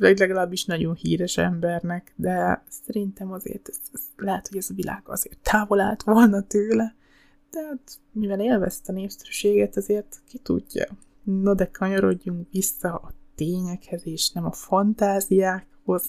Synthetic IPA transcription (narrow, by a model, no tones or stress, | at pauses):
vɛɟlɛɡɒlaːbːiʃnɒɟo̞nhḭːɾɛʃɛ̰mbɛrnɛkd̪ɛsɛɾint̪ɛmɒzḛːrt̪ɛzlɛɦɛt̪ho̞ɟɛzɒvilʔa̰ːɡ̥ɒ̰zeːrt̪ːaːvo̞la̰ːlt̪ʋo̞lnɒt̪øːlɛ | t̪ɛɦat̪ | mivɛleːlvɛ̰st̪ːneːfsɛɾyʃeːɡɛt̪ɒzeːrt̪kit̪ṵɟːɒ̰ | nod̪ɛkʰɒɲoɾo̞ɟːuŋkʋisːɒɒt̪eːɲɛkhɛzeːʃnɛmɒfɒnt̪aːzijaːkho̞z̥